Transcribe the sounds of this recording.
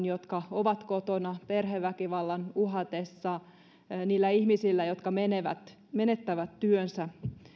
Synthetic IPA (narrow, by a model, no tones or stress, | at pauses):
njot̪kɑoʋɑt̪kot̪onɑperɦeʋːækiʋɑlːɑnuɦɑt̪esːɑ | niːlːæihmisilːæjot̪kɑmeneʋæ̰t̪ | menet̪ːæʋæt̪tyønsæ